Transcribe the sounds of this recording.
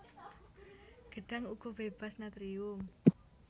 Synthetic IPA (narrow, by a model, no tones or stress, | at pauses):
ɡ̥ə̤ɖ̥a̤ŋuɡ̥ɔ̤b̥eb̥a̤snat̪ɾiʊŋ